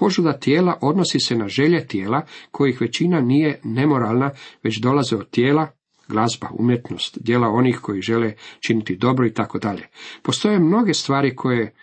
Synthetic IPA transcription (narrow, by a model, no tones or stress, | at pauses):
po̞ʒud̪at̪jeːlaʔo̞d̪no̞sisenaʒe̞ʎe̞t̪jeːlakʰo̞jixʋe̞t͡ɕinaniːje̞ne̞mo̞ɾalˠnaʋe̞t͡ɕd̪o̞lazeod̪̚t̪jeːla | ɡlˠazba̰ṵmje̞t̪no̞st̪d̪jeːlao̞nixko̞jiʒe̞let͡ʃinit̪id̪o̞bɾoit̪ako̞d̪aʎe̞̰po̞st̪o̞je̞mno̞ɡe̞st̪ʋaːɾikʰo̞je